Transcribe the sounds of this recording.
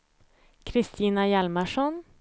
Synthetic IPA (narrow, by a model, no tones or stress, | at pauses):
kʰɾɪst̪iːnɑjælməʂɔn